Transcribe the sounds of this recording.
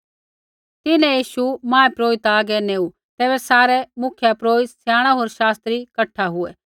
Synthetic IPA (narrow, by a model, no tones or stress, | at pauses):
t̪ɪnɛ̃jiːʃumãːepɾoːɪt̪aːɡɛneːu | t̪ɛːbɛsaːɾɛmʊkʰjapɾoːɪt̪sjaːɽ̃aɦoːɾʃaːst̪ɾikɐʈʰːaɦʊɛ